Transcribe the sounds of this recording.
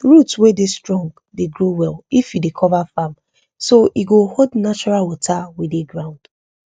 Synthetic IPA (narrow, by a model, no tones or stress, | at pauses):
ɹutwedestɹɔ̃ŋɡ | deɡɹowɛlifjidekʰɔvafam | soʔiɡohodnat͡ʃɔɹalwɔtʰawideɡɹãʊ̃nd̥